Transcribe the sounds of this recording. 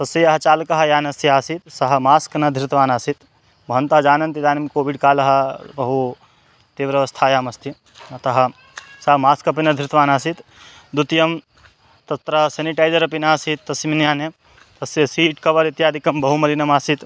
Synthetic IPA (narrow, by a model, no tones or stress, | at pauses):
t̪ɐsɐjɐɦɐt͡ʃaːlɐkɐɦɐjaːnɐsiaːsit̪sɐɦɐmaːskɐnɐd̪ʱɾit̪ɐʋaːnaːsit̪ | bʱɐɐnt̪ɐɦɐd͡ʒaːnɐnt̪id̪aːnimkoːʋiɖkaːlɐɦɐ̆bɐɦu | t̪eːʋɾɐʋɐst̪ʰaːjaːmɐst̪i | ɐt̪ɐɦɐ̆ | sɐɦɐmaːskɐp̬inɐd̪ʱɾit̪ʋaːnaːsit̪ | d̪ut̪jɐm | t̪ɐt̪ɾɐseːniʈaːjd͡ʒɐɾɐpinaːsit̪ːɐsiminjaːnɐ | t̪ɐsjɐsiːʈkɐʋɐɾit̪jaːd̪ʱikɐmbɐɦumɐlinɐmaːsit̪